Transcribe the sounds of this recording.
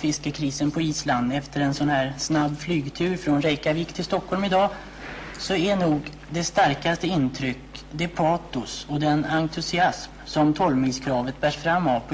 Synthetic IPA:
fɪskəkʰɾiːsənpʰɔiːsland̪ɛft̪əɾɛnsɔnhæːɾsnabːflyːɡt̪ʰʉ̟ːɾfɾɔnɾɛjkaviːkt̪ʰɪlst̪ɔkʰhɔlmɪd̪ɑː | sɔæɳuːɡ | d̪ɛst̪aɾkast̪əɪnːt̪ʰɾʏkːd̪ɛpʰɑːt̪ʊsɔd̪ɛnaŋt̪ʰɵsɪasmsɔmt̪ʰɔlmiskʰɾɑːvət̪̚bæːʂfɾamːavpʰɔ

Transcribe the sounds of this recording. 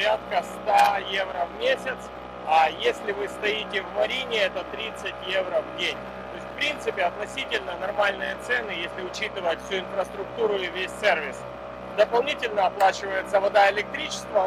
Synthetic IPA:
ɾʲat̪kəst̪ajevɾəvmʲesʲɪt̪s | ajesʲlʲɪvɨst̪ɐitʲɪvmɐɾʲinʲɪɛt̪ət̪ɾʲit̪sɨtʲjevɾəvdʲenʲ | t̪oɪsʲt̪ʲfpɾʲint̪sɨpʲɪɐt̪nɐsʲitʲɪlʲnənɐrmalʲnɨjət̪sɛnːɨjesʲlʲɪʊt͡ɕit̪ɨvəjtʲfsʲuɪnfɾəst̪ɾʊkt̪uɾʊɪvʲesʲsʲervʲɪs | d̪əpɐlˠnʲitʲɪlʲnəɐplˠat͡ɕɪvəjɪt̪səvɐd̪aɪlʲɪk̚t̪ɾʲit͡ɕɪ̥st̪və

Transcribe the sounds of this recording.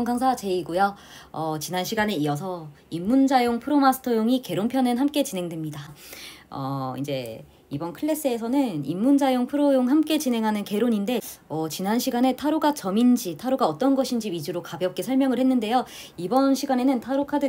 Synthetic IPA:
ŋɡaŋsʰat͡ɕe̞iɡuja | ʌt͡ɕinanɕʰiɡane̞iʌs̬ʰʌ | imːund͡ʑajoŋpʰɯɾomasʰɯ̥tʰʌjoŋike̞ɾonpʰjʌnɯnɦamk͈e̞t͡ɕinɦe̞ŋdwemɲida | ʌ̰ḭd͡ʑe̞ | ibʌnkʰɯɭːe̞s͈ɯe̞sʰʌnɯnimːund͡ʑajoŋpʰɯɾojoŋhamk͈e̞t͡ɕine̞ŋɦanɯnke̞ɾoɲinde̞ʌt͡ɕinanɕʰiɡane̞tʰaɾoɡat͡ɕʌmind͡ʑitʰaɾoɡaʌt͈ʌnɡʌɕʰind͡ʑiɥid͡ʑuɾokabjʌp̚k͈esʰʌɭmjʌŋɯɭhe̞nːɯnde̞jo | ibʌnɕʰiɡane̞nɯntʰaɾokʰadɯ

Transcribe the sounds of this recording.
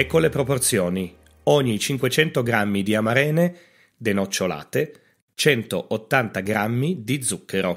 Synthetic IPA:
ɛkːolepɾoport̪sjoːni | oɲːit͡ʃiŋkwet͡ʃɛnt̪oɡɾamːid̪iamaɾɛːne | d̪enot͡ʃːola̰ːt̪e | t͡ʃɛnt̪oʔot̪ːant̪aɡɾamːid̪id̪zːukʰːeɾo

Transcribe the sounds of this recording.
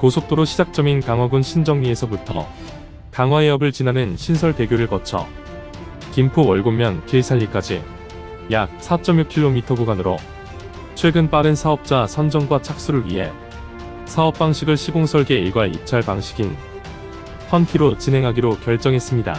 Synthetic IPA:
kosʰok̚t͈oɾoɕʰid͡ʑak̚t͡ɕ͈ʌminkaŋɦwaɡunɕʰind͡ʑʌŋɲie̞sʰʌbutʰʌ̰ | kaŋɦwaeʌbɯɭt͡ɕinanɯnɕʰinsʰʌɭte̞ɡjoɾɯɭkʌt͡ɕʰʌ̰ | kimpʰoʌɭɡomjʌnkeɭsʰaʎːik͈ad͡ʑḭ | jak̚s͈ʰat͡ɕ͈ʌmjuk̚kʰiɭːomitʰʌɡuɡanɯɾo̰ | t͡ɕʰwe̞ɡɯnp͈aɾɯnsʰaʌp̚t͡ɕ͈asʰʌnd͡ʑʌŋɡwat͡ɕʰak̚s͈uɾɯɭɥḭɦe̞̰ | sʰaʌp̚p͈aŋɕʰiɡɯɭɕʰiɡoŋsʰʌɭɡe̞iɡwaɭḭp̚t͡ɕʰaɭpaŋɕʰi̥ɡin | pʰʌnkʰiɾot͡ɕinɦe̞ŋɦaɡiɾokjʌɭt͡ɕ͈ʌŋɦe̞s͈ɯmɲida̰

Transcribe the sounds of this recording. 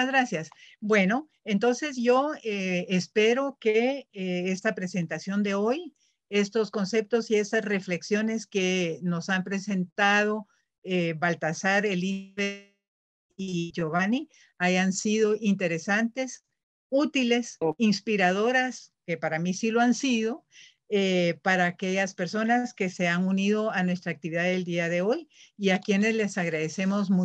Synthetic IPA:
azɣɾasjasbwe̞no̞ | e̞nt̪o̞nse̞zʝo̞eːspe̞ɾo̞kee̞st̪apɾe̞se̞nt̪asjo̞nd̪e̞o̞j | e̞st̪o̞sko̞nse̞p̚t̪osie̞st̪asre̞fle̞ksjo̞neske̞no̞sampɾe̞se̞nt̪að̞o̞ | eβalt̪asaɾeliβe | iʝo̞βani | ajansiðo̞ʔint̪e̞ɾe̞sant̪e̞s | ut̪ile̞sinspiɾaðo̞ɾaske̞paɾamisiloansiðo̞ | epaɾaːke̞ʝaspe̞ɾso̞naske̞se̞aŋuniðo̞anwe̞st̪ɾaːk̚t̪iβiðaðe̞ld̪iaðe̞o̞jiakje̞ne̞zle̞saɣɾaðe̞se̞mo̞zmu

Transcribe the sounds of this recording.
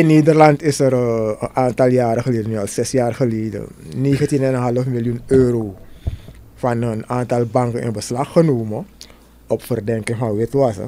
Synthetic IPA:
ɪnːeːdərlɑntɪsəɾəʔaːntɑlˠjaːɾəxəleːdənyɑlˠsɛsjaːrxəleːdə̰neːɣəntinɛnənɦɑləfmɪljunøːɾoː | fɑnənaːntɑlˠbɑŋkənɪ̰nbəslɑxːənoːmə | ɔpfərdɛŋkəŋfanʋɪtʋasə̰

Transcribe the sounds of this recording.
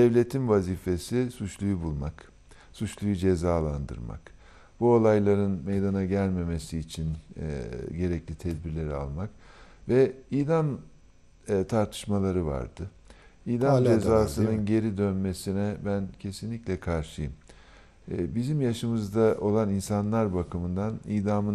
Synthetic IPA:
d̪̥ɛvlʲe̞t̪ʰinvaziːfe̞sisut͡ʃlˠujubulˠmak | sut͡ʃlˠujud͡ʒezaːlˠand̪ɯ̰ɾma̰k | b̥uo̞lˠajlˠaɾɯnmejd̪anaɟælʲme̞me̞siːt͡ʃʰin̰ | ɟe̞ɾɛclʲit̪ʰɛd̪̚biɾlʲe̞ɾia̰lˠmak | vɛiːd̪anː | t̪ʰaɾt̪ʰɯ̥ʃmalˠaɾɯva̰ɾd̪̥ɯ | iːd̪and͡ʒezaːsɯnɯnɟe̞ɾid̪ønme̞sinɛbæncʰe̞sinlʲicʲlʲɛkʰaɾʃɯjɯmː | bizimjaʃɯmɯzd̪aʔo̞lˠaninsanlˠaɾbakʰɯmɯnd̪aniːd̪amɯ

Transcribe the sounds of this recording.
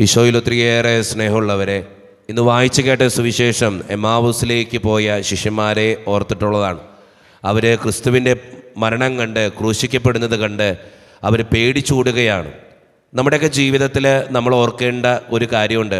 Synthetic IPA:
iɕoːjilot̪ːrijeːresne̞ːɦɐmuɭːɐʋɐɾe̞ | inːɨʋaːjit͡ɕːukːeːʈːɐsuʋiɕe̞ːʂɐme̞maːʋɐsile̞ːkʲːɨpo̞ːjɐɕiʂjɐmːaːɾe̞ort̪ːiʈːuɭːɐðaːɳɨ | ɐʋɐɾɨkrɨst̪uʋinde̞mɐɾɐɳɐŋkɐɳɖɨkruːɕikʲːɐpːe̞ɽunːɐðɨkɐɳɖɨ | ɐʋɐɾpe̞ːɽit͡ɕːuːɽuɣɐjaːɳɨ̰ | nɐmːuɽeokːe̞d͡ʑiːʋiðɐt̪ːilnɐmːɐɭo̞rkːe̞ːɳɖɐo̞ɾukaːɾjɐmuɳɖɨ

